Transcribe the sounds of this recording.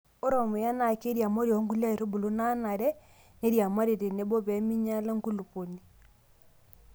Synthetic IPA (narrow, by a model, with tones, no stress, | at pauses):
o˦ɾɔ˨mo˨ja˦na˨ke˦ɾja˨mɔ˦ɾjɔ˨˦ŋɡu˦la˦e˨ɾo˦bu˨lo˦na˦na˨ɾɛ˦ | ne˦ɾja˨ma˦ɾe˨ɾe˨ne˨˦bɔ˦βɛ˨˦mi˦ɲa˦la˦ŋɡu˦lu˨po˨ni˨